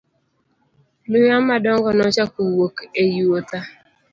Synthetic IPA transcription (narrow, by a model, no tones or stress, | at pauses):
lʊjamadɔŋɡɔnɔt͡ʃakuwokejuota